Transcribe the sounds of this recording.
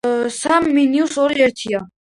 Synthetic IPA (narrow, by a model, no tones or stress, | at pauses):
samːinjusɔɾɛɾt̪ʰija